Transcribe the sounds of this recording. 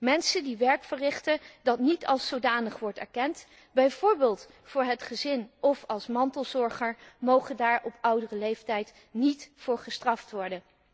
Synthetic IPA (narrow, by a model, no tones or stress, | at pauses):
mɛnsəndiʋɛɹkfərɪχtədɑtnitʰɑ̰lˠsowdaːnəχʋɔɹtɛ̰ɹkɛnt | bɛjvʊːɹbeːlˠt | fʊːɹɦətχəzɪnɔfɑlˠsmɑntəlˠzɔɹχəɹmowχəndaːɹɔpʌwdərəlejftɛjt | nitfʊːɹχəstrɑftʋɔɹdən